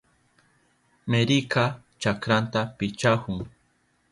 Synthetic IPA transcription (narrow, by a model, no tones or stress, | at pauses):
meɾɪkʰa | t͡ʃakɾant̪apɪt͡ʃahʊŋ